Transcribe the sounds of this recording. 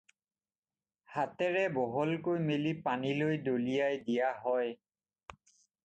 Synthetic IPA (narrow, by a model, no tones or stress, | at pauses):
hatɛɹɛbɔɦɔlkojmelipanilojdolijajdijaɦɔj